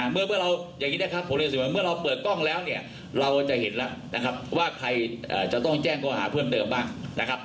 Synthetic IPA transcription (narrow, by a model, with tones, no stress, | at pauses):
a˨˩mɯ˥˩ɐmɯ˥˩ɐɾa˧wjaː˨˩ŋːi˦˥la˧˥˩kʰa˦˥pʰːmleː˧˩s̬iː˨˩waː˧˩mɯ˥˩ɐɾa˧wpɤː˨˩t̪̚kɔ˥˩ŋlɛː˦˥wni˥˩ɐ | ɾa˧wt͡ɕa˨˩ɦe˩˦nla˦˥ʔna˦˥kʰa˦˥p̚waː˥˩kʰɾa˧jʔa̰ː˨˩t͡ɕa˨˩t̪ɔ˥˩ŋt͡ɕɛː˥˩ŋkɔː˧˩ɦa̰ː˩˦pʰɯː˥˩ənt̪ɤː˧mbaː˥˩ŋna˦˥kʰa˦˥p̚